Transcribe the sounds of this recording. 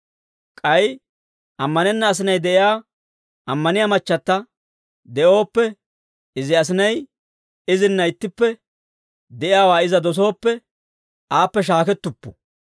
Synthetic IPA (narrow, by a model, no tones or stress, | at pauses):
kʼɐj | ʔɐmːɐnɛnːɐːs̬ɪnɐjd̪ɛʔɪjaː | ɐmːɐnɪjamɐt͡ʃːɐt̪ːɐ | d̪ɛʔo̞ːpːɛ | ɪzɪɐs̬ɪnɐj | ɪzɪnːɐɪt̪ːɪpːɛ | d̪ɛʔɪjaːwaːɪzɐd̪ɔs̬o̞ːpːɛ | ʔaːpːɛʃ̬aːkɛt̪ːʊpːʊ̥